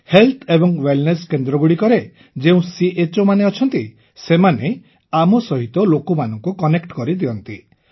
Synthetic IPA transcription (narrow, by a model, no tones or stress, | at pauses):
helt̪ʰebɔŋwelneskend̪ɾɔɡuɽikɔɾe | d͡ʒeũsiet͡ʃomaneɔt͡ʃʰɔnt̪i | semane | amɔsɔɦit̪ɔlokumanɔŋkukɔnekʈkɔɾid̪iɔnt̪i